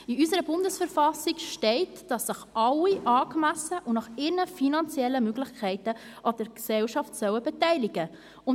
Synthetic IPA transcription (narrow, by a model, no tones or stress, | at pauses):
iysəɾəbʊndəsfəɾfɑsikʃtɛɪtd̥ɑsːəχɑlːiʔɑːkmæsəʔʊnɑχɪɾnəfinɑnt͡sjɛlːəmøɡlɪχkʰɛɪtə | ʔɑd̥əɾksɛwʃɑftsœwəbɛtɛɪliɡə | ʊn